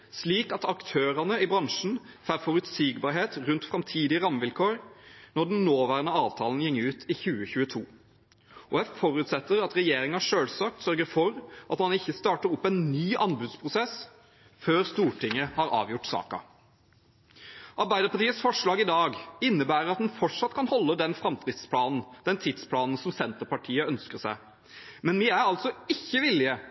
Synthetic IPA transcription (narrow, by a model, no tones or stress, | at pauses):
sliːkɑt̪ɑkt̪ʰøːɾɑnəɪbɾɑŋʂn̩fæːɾfɔɾʉt̪siːɡbɑːɾɦeːt̪ɾʉnt̪fɾɑmt̪ʰiːd̪ɪəʁɑmːʋɪlkʰoːɾnɔɖɛnnoːʋæːʁənəɑːʋt̪ʰɑːln̩jɛŋːʉːt̪ɪçʉːəçʉːət̪ʰuː | ʔɔɛffɔɾʉt̪sɛt̪ːəɾɑt̪ɾɛjeːɾɪŋʂøːlsɑːk̚t̪sœɾɡəɾfɔɾʔɑt̪mɑnɪçːəst̪ɑːʈəɾʊpːɛnnyːʔɑnbʉd̪spʰʁʊsɛs | føːɾst̪uːʈɪŋːəhɑɾɑ̰ːʋjʊʈːsɑ̰ːkɑ̰ | ʔɑɾbæɪd̪əpɑʈiːəsfɔʂɭɑːɡɪd̪ɑːɡɪnːəbæːɾəɾɑt̪d̪nfɔʈʂɑt̪ːkʰɑnhɔlːəd̪ɛnfɾɑmt̪ɾɪt̪spʰlɑːnn̩d̪̥ɛnt̪ʰɪd̪spʰlɑːnən̩sɔmsɛnt̪əɾpɑʈʰiːəœnskəʁsæɪ | mɛnʋiæɾɑlt̪sɔɪçːəʋɪlːɪə